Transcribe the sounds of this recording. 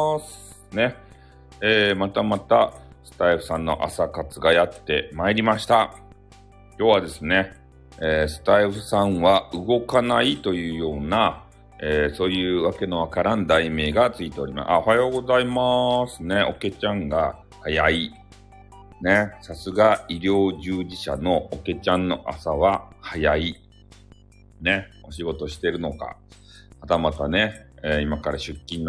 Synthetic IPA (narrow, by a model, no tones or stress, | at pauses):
sɨne̞ | eːmat̪amat̪asɨ̥t̪aiɸɯ̟̥sãnːo̞ʔa̰sakat͡sɨɡajat̪ːe̞maeɾʲimaɕi̥t̪a | kʲo̞ːβad̪e̞sɨne̞ | eːsɨ̥t̪aiɸɯ̟sãɰ̃βaɯ̟ɡo̞kanait̪o̞jɯ̟ːjo̞ːna | eːso̞ːjɯ̟ːβake̞no̞βakaɾãnd̪aime̞ːɡat͡sɨit̪e̞o̞ɾʲima̰sɨ̰a̰o̞hajo̞ːɡo̞zaimasɨne̞o̞ke̞t͡ɕãŋɡa | hajai | ne̞sasɨɡaiɾʲo̞ːʑɨːʑiɕa̰no̞oke̞t͡ɕãnːo̞ʔa̰saβ̞ahajai | ne̞o̞ɕiɡo̞t̪o̞ɕi̥t̪e̞ɾɯ̟no̞ka̰ | at̪amat̪ane̞eimakaɾaɕɨkʲːĩnː